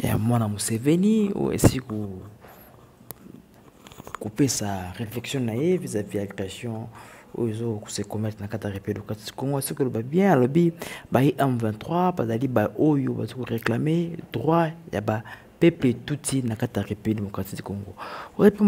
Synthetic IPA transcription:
ja̰mwanamosevenio̰jo̰ḛsiiko | kopesaʁeflɛksjɔ̃najevizaviatasjɔ̃o̰joezoksekomɛtʁenakatiaepdemokatidi̥koŋɡoasikolobabjɛ̃alobibaiʔɛ̃mvɛ̃tχwapazalibaʔojoba̰zokoʁeklamed̥ʁwaja̰ba | pepletutʰinakatiaʁepdemokatidi̥koŋɡooep

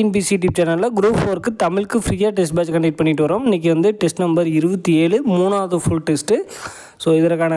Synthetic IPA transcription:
nbiːsiʈip̚t͡ʃːɐnɐlːɐɡɾoːfoːɾkːɯt̪ɐmɪɻkːɯfɪɾiːjaːʈ̬ɛsʈ̚baːd͡ʒkɐɳɖɛɪʈ̚pɐɳːɪʈːɯʋɐɾoːmɪnːɪk̬ʲːɯʋɐnd̪ɯʈɛsʈnɐmbɐɾɪɾɯbɐt̪ːieːɭɯmuːnaːðɯfʊɭʈɛsʈɯ | soːɪðɐɾɐkːaːnɐ

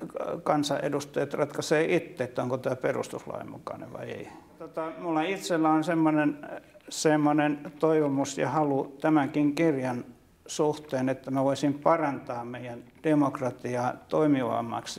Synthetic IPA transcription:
kɑnsɑ̰ʔḛdust̪ɑjɑt̪rɑt̪kɑseːʔit̪ːeːt̪ːæoŋkot̪æːperṵst̪uslɑ̰ḭmṵkɑ̰nḛʋʋɑ̰iḛit̪ot̪ɑmulːɑit̪selːæonsemːonensemːonent̪oiʋomusjɑ̰hɑlut̪æmæŋkiŋkirjɑn | suht̪eːnet̪ːæmæʋoisimpɑrɑnt̪ɑːmmeijænd̥emokrɑt̪iɑːt̪oimiʋɑ̰mːɑ̰ks

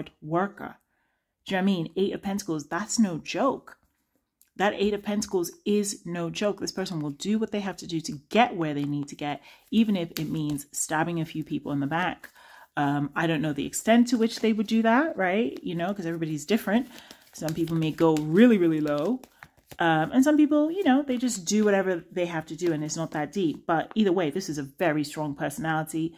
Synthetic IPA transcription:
d̚wɜ˞kə̰̥˞ | aɪmĩneɪɾʌv̥pʰɛ̃ntəkl̩ˠzðætsnoʊd͡ʒoʊk | ðɨɾeɪɾʌv̥pʰɛ̃ntəkl̩ˠzɪznoʊd͡ʒoʊk̚ðɪspʰɜ˞sə̃n̩wəlˠdɨwʌt̪̚ðeɪɦæftɨdɨɾɨɡɛʔ̚wə˞ðeɪnid̚tʰɨɡɛɾivɨ̃nɪfɨt̚mĩnz̥stɑbɪ̃ŋɨfjʉpʰipl̩ˠə̃nðəbæk | ʌ̃maɪɾõʊ̃nːoʊðiɨ̰kstɛ̃ntʰɨwɨt͡ʃðeɪwɨdɨðæt̚ɹaɪt̚jɨnoʊkʌzɛvɹibɑɾizdɪfɹɨ̃nt | sʌ̃mpipl̩ˠmeɪɡoʊɹɪlˠiɹɪlˠiloʊ | ʔʌ̃mʔɨ̃nsʌ̃mpipl̩ˠjɨnoʊðeɪd͡ʒʌsd̥ɨwʌɾɛvə˞ðeɪɦæftɨdɨɨ̃nɨtsnət̪̚ðɨt̚d̥ip̚b̥ʌɾiðə˞weɪðɪsɨzɨvɛɹistɹ̥ɔ̃ŋpʰɜ˞sɨnælˠəɾi

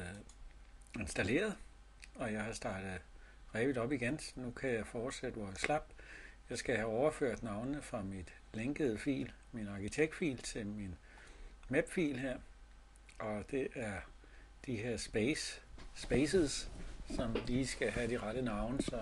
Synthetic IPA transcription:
e̝nsd̥æle̝̰ːɐð̩ˠ | ɒ̽jɑ̈ɪɦɑ̈sd̥ɑ̈ːd̥ð̩ˠ | ʁɛʋid̥ɒ̽b̥iɡ̥ensnukʰæjɑ̈ɪfɒːd̥sed̥əʋɒslɑb̥jɑ̈ɪsɡ̥æhæɒʊɐføɐ̰d̥nɑ̈ʊnnəfʁɑ̈mid̥ | leŋɡ̥əð̞̩ˠəfḭːl | minɑ̈kit͡sʰeɡ̥̚d̥fḭːlt͡sʰe̝lmin | mæb̥fḭːlheɐ̰ | ʔɒ̽d̥e̝ʔæɐ | d̥iɦe̝ɐ̰sb̥ | b̥esəssɒ̽mliːsɡ̥æɦæd̥iʁɑɾ̥ənɑ̈ʊnəsɒ̽

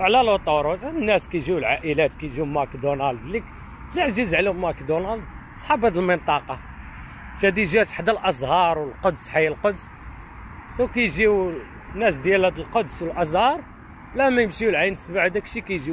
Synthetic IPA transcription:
wʕlælot̪ˤɑɾˤot̪ænːæskæjʒiwlʕaʔəlæt̪kæjʒiwmækd̪onæld̪lik | laʕzizʕlihmːækd̪onæld̪ | sˤħɑbæd̪əlmənt̪ˤɑqɑ | t̪hæd̪iʒæt̪ħd̪ælʔɑzˤhɑɾˤwəlqod̪sħajəlqod̪s | səwkæjʒiw | nːæsd̪jælhæd̪əlqod̪swəlʔɑzˤhɑɾˤ | wlæmæjəmʃiwlʕajnsbaʕd̪ækʃikæjʒi

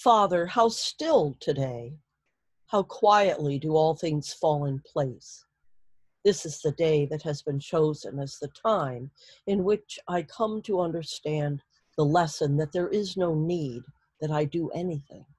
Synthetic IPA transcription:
fɑðə˞haʊstɪlˠtʰɨdeɪ | haʊkʰw̥aɪɨʔlidəɔlˠθɪ̃ŋz̥fɔlˠɪ̃npʰl̥eɪs | ðɪsɨzðɨdeɪðɨt̚hɨzbɨ̃nt͡ʃʰoʊzɨ̰̃nɨzðɨtʰãɪ̃m | ɨ̃nwɪt͡ʃaɪkʰʌ̃mtʰəʌ̃ndə˞stæ̃n | ðəlɛsɨ̃nðɨt̪̚ðə˞ʔɪznoʊnid̪̚ | ðɨɾaɪdɨʔɛniθɪ̰̃ŋ

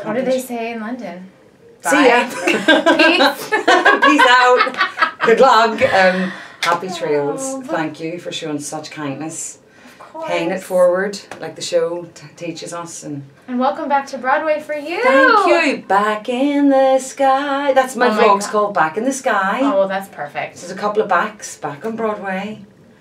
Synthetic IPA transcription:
ʌdɨðeɪseɪɪ̃nlʌ̃ndɨ̃n | sijəs | bizaʊt̚ɡ̥ʊdˡlʌɡʌ̃mhapitʰɹ̥eɪlˠz̥θθæ̃ŋkʰjɨfə˞ʃoʊɪ̃ŋsʌt͡ʃkʰãɪ̃nːəs | pʰeɪɪ̃ŋɪttfɔːɹwə˞dlaɪk̚ðəʃoʊtʰit͡ʃɪzəsə̃n | ə̃nwɛlˠkə̃mbak̚tʰəbɹɔd̚weɪfə˞jʉθæ̃ŋkjʉb̥akɪ̃nðəskaɪðatsmaɪfoʊkskʰɔːlˠd̚bakɪ̃nðəskaɪoðætspʰɜ˞fɪk̚tðə˞zəkʰʌpl̩ˠəvbaksb̥akn̩bɹɔd̚weɪ

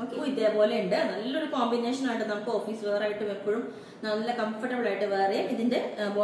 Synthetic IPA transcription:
okːiðeːpo̞ːle̞uɳɖɨnɐlːɐmoɾukoːmbine̞ːʂɐnaːjiʈːɨnɐmukːɨofiːsɨʋeːraːjiʈːume̞pːoɻum | nɐlːɐkɐmfɐʈːɐbɨɭaːjiʈːɨʋeːrejmiðinde̞bo

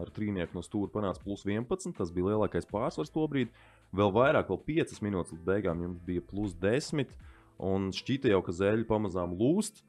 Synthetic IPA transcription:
aɾt̪ɾiːniɛkunuɔst̪uːɾupanaːt̪splˠusʋiɛnpat̪nt̪t̪asbiːlˠiɛlˠaːkajspaːɾsʋaɾst̪uɔbɾiːd̪ | ʋɛlˠʋajɾaːkʋɛlˠpiɛt̪sɪ̥sminuːt̪ɪslˠit̪̚bɛjɡaːmjumsbijəplˠusd̪esmit̪ | unʃcit̪ɐjawkazɛʎupamazaːmlˠuːst̪

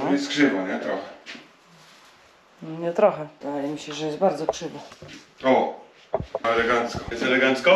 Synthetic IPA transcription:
jɛst̪kʂɘvaɲɛt̪ɾɔxɛ | nɔɲɛt̪ɾɔxɛd̪d̪ajɛmʲiɕɛʐɛjɛst̪baɾd̪zɔkʂɘvaɔ | ɛlɛɡant̪skɔɛst̪ɛlɛɡant̪skɔ

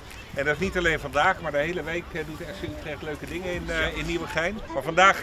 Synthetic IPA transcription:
ɛndɑɪsnitɑlejnvɑndaːχmaːɹdəɦejləʋejkdutɛsətrɛχtløɥkədɪŋəɪnɪnːiwəχɛjnmaːvɑndaːχ

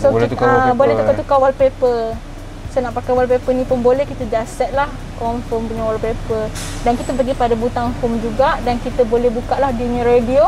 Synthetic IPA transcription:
sot̪abolɛht̪ukat̪ukawalpepə | sajnaʔpakajwalpepənĩpənbolɛhkit̪əd͡ʒasɛt̪̚lah | kɔmfəmpuɲawalpepə | dankit̪əpəɡipadabut̪aŋfomd͡ʒuɡaʔdankit̪əbolɛhbukaʔlahdiɲə̃ɾedio

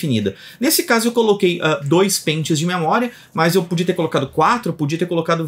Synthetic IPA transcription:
finḭd̪ɐ | nesɪkazʊewkolokejɛd̪ojspẽt͡ʃɪzd͡ʒɪmemɔɾiɐ | mɐzewpud͡ʒiɐt̪eɾkolokad̪ʊkwat̪ɾʊpud͡ʒiɐt̪eɾkolokad̪ʊ

